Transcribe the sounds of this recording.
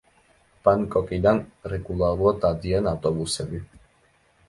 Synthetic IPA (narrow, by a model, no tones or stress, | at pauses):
paŋkʼokid̪anrekulaɾuot̪ad̪ienawt̪oβuseβi